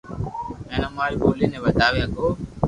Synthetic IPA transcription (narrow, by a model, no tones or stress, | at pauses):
eːnomaːɾiːboːliːnẽːʋəd̪ʱaːʋjaɡoː